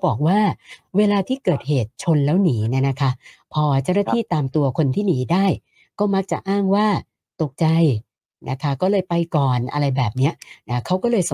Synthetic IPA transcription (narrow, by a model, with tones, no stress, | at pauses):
bɔː˨˩k̚waː˥˩weː˧laː˧t̪ʰiː˥˩kɤː˨˩t̪̚heː˨˩t̪̚t͡ɕʰo˧nlɛː˦˥wniː˩˦na˦˥na˦˥kʰa˦˥pʰɔː˧t͡ɕa˥˩wnaː˥˩t̪ʰiː˥˩t̪aː˧mt̪u˧ɐkʰo˧nt̪ʰiː˥˩niː˩˦daː˥˩j | kɔː˥˩ma˦˥k̚t͡ɕa̰˨˩ʔaː˥˩ŋwaː˥˩ | t̪o˨˩k̚t͡ɕa˧j | nʔa̰˦˥kʰa˦˥kɔː˥˩lɤː˧jpa˧jkɔː˨˩nʔa̰˧ɾa˧jbɛː˨˩p̚ni˦˥ɐna˦˥kʰa˦˥wkɔː˥˩lɤː˧js